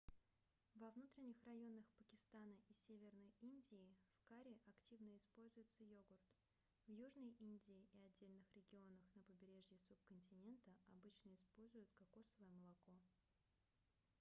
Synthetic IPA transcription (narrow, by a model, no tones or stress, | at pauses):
vɐvnut̪ɾʲɪnʲːɪxrɐjo̞nəxpəkʲɪst̪anəʔisʲevʲɪrnəjinʲdʲɪːfkaɾʲɪʔɐktʲivnəɪspo̞lʲzʊjɪt̪səjoɡʊrt̪ | vjuʐnəjʔinʲdʲɪːʔɪɐdʲːelʲnɨxɾʲɪɡʲɪo̞nəxnəpəbʲɪɾʲe̞ʐjɪsup̚kənʲtʲɪnʲe̞nt̪əɐbɨt͡ɕnəɪspo̞lʲzʊjʊt̪̚kɐkosəvəjəməlˠɐko̞